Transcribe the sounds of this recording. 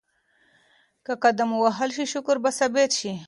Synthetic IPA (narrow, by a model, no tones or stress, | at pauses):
kakad̪amwaɦalʃiʃʊkʊɾbasabet̪ʃi